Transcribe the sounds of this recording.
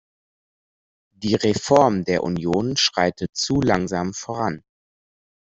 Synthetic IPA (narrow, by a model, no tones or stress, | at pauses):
d̥iːʁefɔɐmdeːɐʔṵnjoːnʃʁ̥aɪtʰət͡suːlaŋzaːmfoʁ̞an